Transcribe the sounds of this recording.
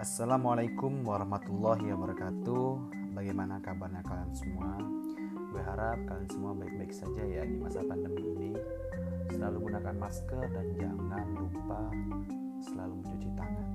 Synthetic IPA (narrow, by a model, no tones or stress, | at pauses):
ʔasːalamalajkʊmwaɾɑhmat̪ulːɔɦiwabəɾəkat̪u | baɡajmanakabarɲakalansəmua | bərɦaɾap̚kalansəmuabaɪk̚baɪk̚sad͡ʒajadimasap̪andəmiini | səlaluɡunakanmaskərdand͡ʒaŋanlumpa | səlalumət͡ʃut͡ʃit̪aŋan